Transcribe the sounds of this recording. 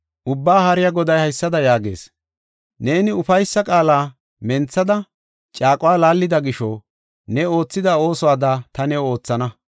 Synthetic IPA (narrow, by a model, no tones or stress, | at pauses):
ʔʊbːaːhɐɾɪjɐɡɔd̪ɐjhɐjsːɐd̪ɐjaːɡe̞̰ːs | ne̞ːnɪʊfɐjsːɐkʼaːlaː | mɛnt͡sːɐd̪ɐ | t͡ʃʼaːkʼʊwaːlaːlːɪd̪ɐɡɪʃɔ | nɛo̞ːt͡sːɪd̪ɐo̞ːsɔwaːd̪ɐt̪ɐnɛo̞ːt͡sːɐnɐ